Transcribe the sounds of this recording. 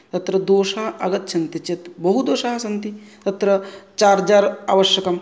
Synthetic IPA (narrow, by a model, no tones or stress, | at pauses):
t̪ɐt̪ɾɐd̪oːʃaɦɐɡɐt̪ːʃʰɐnt̪it͡ʃɐt̪bɐɦud̪oːʃaːɦɐsɐnt̪it̪ɐt̪ɾɐt͡ʃaːɾd͡ʒaːɾa̰ːʋɐʃjɐkɐm